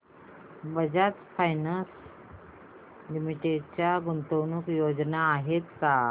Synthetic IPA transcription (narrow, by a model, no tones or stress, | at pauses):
bəd͡ʑat͡s̪fajnəs | limiʈeɖt͡ɕjaɡunt̪əwnukjod͡ʑnaːɦet̪ka